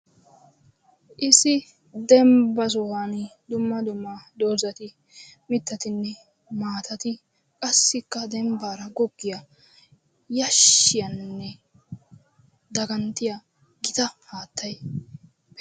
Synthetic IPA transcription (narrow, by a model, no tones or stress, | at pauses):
ʔɪsɪ | d̪ɛmbɐs̬ɔwand̪ʊmːɐd̪ʊmːɐd̪oːzɐt̪ɪ | mɪt̪ːɐt̪ɪnːɛ | maːt̪ɐt̪ɪ | kʼɐsːɪkːɐd̪ɛmbaːɾɐɡɔɡːɪjɐ | jɐʃːɪjɐnːɛ | d̪ɐɡɐnt̪ːɪjɐ | ɡɪt̪ɐhaːt̪ːɐj | bɛ